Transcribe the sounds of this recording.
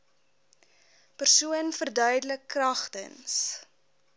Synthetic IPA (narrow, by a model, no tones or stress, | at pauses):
pərsuənfərdœɥdələkːrɐχtə̰ns